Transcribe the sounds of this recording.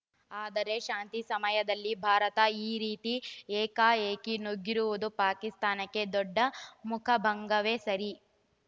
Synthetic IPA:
aːd̪ɐɾe̞ʃaːnt̪isɐmɐjɐd̪ɐlːibʱaːɾɐt̪ɐiːɾiːt̪ieːkaːeːkinoɡːiɾuʋud̪upaːkist̪aːnɐkːe̞d̪ɔɖːɐmukʰɐbʱɐŋɡɐʋeːsɐɾi

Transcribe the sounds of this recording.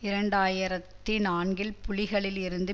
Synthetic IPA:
ɪɾɐɳɖaːjɪɾɐt̪ːɪnaːnɡɪlpʊɻɪɣɐɭɪlɪɾɯnd̪ɯ

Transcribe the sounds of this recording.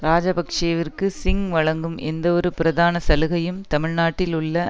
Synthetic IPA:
ɾaːd͡ʒɐbɐkʂɐjɐʋɪrkɯsɪŋʋɐɭɐŋɡɯmɛnd̪ɐɔɾɯpɪɾɐðaːnɐsɐlɯɣɐjɯmt̪ɐmɪɻnaːʈːɪlʊɭːɐ

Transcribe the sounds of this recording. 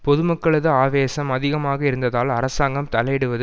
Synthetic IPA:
pɔðɯmɐkːɐɭɐðɯaːʋeːsɐmɐðɪɣɐmaːɣɐɪɾɯnd̪ɐðaːlɐɾɐsaːŋɡɐmt̪ɐlɐjɪɽɯʋɐðɯ

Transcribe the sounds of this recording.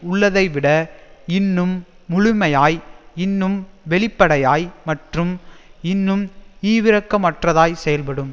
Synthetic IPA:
ʊɭːɐðɐɪʋɪɽɐɪnːɯmː | ʊɻʊmɐjaːjɪnːɯmʋɛɭɪpːɐɽɐjaːjmɐʈrɯmɪnːɯmiːʋɪɾɐkːɐmɐʈrɐðaːjsɛjɐlpɐɽɯm

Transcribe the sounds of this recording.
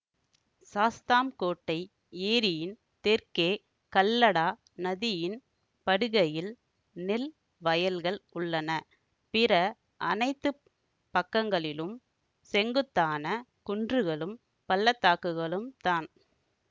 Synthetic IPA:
saːst̪aːmkoːʈːɐɪ | eːɾɪjɪn | t̪ɛɾkeː | kɐlːɐɽaː | nɐðɪjɪn | pɐɽɯɣɐjɪl | nɪl | ʋɐjɐlɣɐɭʊɭːɐnɐ | pɪɾɐ | ʔɐ̰nɐɪt̪ːɯ | pɐkːɐŋɡɐɭɪlɯm | sɛŋɡɯt̪ːaːnɐkʊɳdrɯɣɐɭɯm | pɐlːɐt̪ːaːkɯɣɐɭɯmt̪aːn

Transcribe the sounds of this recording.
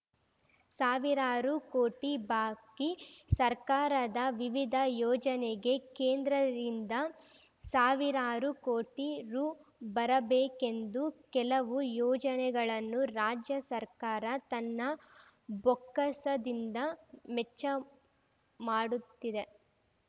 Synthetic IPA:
saːʋiɾaːɾukoːʈibaːkisɐɾkaːɾɐd̪ɐʋiʋid̪ʱɐjɔːd͡ʒɐneɡe̞keːnd̪ɾɐdind̪ɐ | saːʋiɾaːɾukoːʈiɾuːbɐɾɐbeːke̞nd̪ukɛlɐʋujɔːd͡ʒɐnɛɡɐɭɐnːuɾaːd͡ʒjɐsɐɾkaːɾɐt̪ɐnːɐ | bɔkːɐsɐd̪ind̪ɐmɛt͡ʃːɐ | maːɽut̪ːid̪e̞

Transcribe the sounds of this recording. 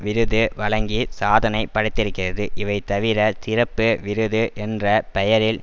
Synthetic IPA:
ʋɪɾɯðɯʋɐɭɐŋɡisaːðɐnɐɪpːɐɽɯt̪ːɪɾɯkːɪrɐðɯʔɪʋɐɪt̪ɐʋɪɾɐt̪ɪrɐpːɯʋɪɾɯðɯʔɛndrɐpɛjɐɾɪl

